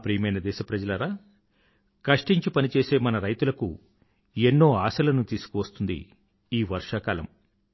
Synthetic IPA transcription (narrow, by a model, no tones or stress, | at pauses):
pɾiːjɐmɐjnɐd̪ɛːʃɐpɾɐd͡ʒɐlɐɾaː | kɐʂʈiɲt͡ʃipɐnit͡ʃe̞ːse̞ːmɐnɐɾɐjt̪ulɐku | enːo̞ːaːsɐlɐnut̪iːsu̥kuʋɐst̪und̪ḭ | iːʋɐɾʂaːkaːlɐ̰m